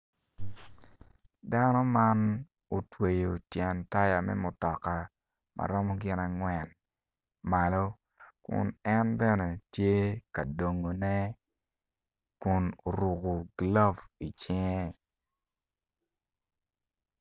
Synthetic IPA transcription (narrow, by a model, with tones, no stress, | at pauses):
da˦nɔ˦ma˦n | o˨twe˨jo˨tjɛ˨nta˦ja˨mɛ̰˦mʊ˨tɔ˨ka˨ | ma̰˨ɾɔ˦mɔ˦ɡɪ˦na˨ŋwɛ˨n | ma˨lo˦ | kʊ̰˨nɛ˦nbɛ˦nɛ˨tje˦ka˨do˨ŋo˨nɛ˦ | kʊ˨no˨ɾu˨ɡo˨ɡla˦vi˨t͡ʃɪ˦ŋɛ˦